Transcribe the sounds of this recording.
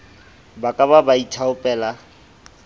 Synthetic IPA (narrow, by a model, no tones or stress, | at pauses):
bakʼababaitʰaʊpʼɛːla